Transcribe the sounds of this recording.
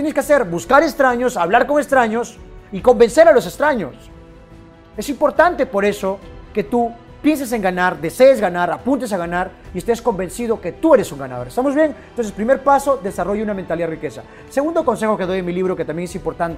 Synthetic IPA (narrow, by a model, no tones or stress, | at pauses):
jeneskease̞ɾbuskaɾe̞kst̪ɾaɲo̞saβlaɾkoŋest̪ɾaɲo̞siko̞mbe̞nse̞ɾalo̞s̬ekst̪ɾaɲos | e̞simpo̞ɾt̪ant̪e̞po̞ɾe̞so̞ke̞t̪u | pje̞ns̬es̬e̞ŋɡanaɾd̪e̞se̞ːzɣanaɾapunt̪es̬aɣ̞anaɾiest̪e̞sko̞mbe̞nsið̞o̞ke̞t̪ue̞ɾe̞suŋɡana̰ðo̞ɾest̪amo̞zβje̞nnt̪ons̬espɾime̞ɾpaso̞ðesaro̞ʝunament̪aliarike̞sa̰ | seɣund̪o̞ko̞nse̞xo̞keð̞o̞jenmiliβɾo̞ke̞t̪ambjeŋesimpo̞ɾt̪ant̪